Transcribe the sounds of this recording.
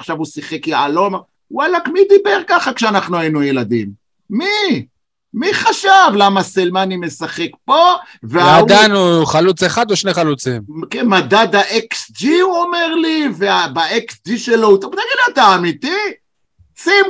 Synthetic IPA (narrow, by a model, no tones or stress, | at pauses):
χʃavusiχe̞kjaalo̞ma | walakmid̪ibeʁkaχakʃeanaχnuajinujelad̪imː | i | miχaʃavlamaselmanime̞saχe̞kpo̞ | vead̪anuχalut͡seχad̪uʃneχalut͡simkemad̪ad̪aʔeksd͡ʒiuomeʁliveabaeksd͡ʒiʃelout̪obnaɡid̪lat̪aːmit̪i | sim